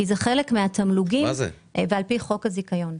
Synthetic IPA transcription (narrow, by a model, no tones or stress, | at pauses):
izeχelekmeat̪amluɡimz̰ | vealpiχo̞khazikajo̞n